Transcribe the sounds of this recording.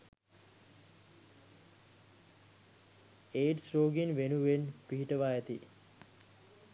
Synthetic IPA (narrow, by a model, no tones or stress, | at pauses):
eːʈsɾoːɡinʋenuʋenpiɦiʈəʋaːjæt̪i